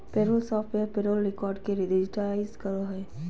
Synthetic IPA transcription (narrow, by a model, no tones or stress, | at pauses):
peɾoːlsɔːfʈeɾpeɾoːlɾɪkɔːɾɖkeɾɪdɪd͡ʒɪʈlaɪzkəɾoɦɛ